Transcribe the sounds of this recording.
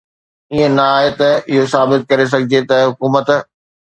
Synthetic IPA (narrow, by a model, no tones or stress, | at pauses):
iẽnɐaːɦet̪ɐɪɦosaːbɪt̪̚kɐɾes̬ɐɡʱɪd͡ʑet̪ɐɦʊkuːmət̪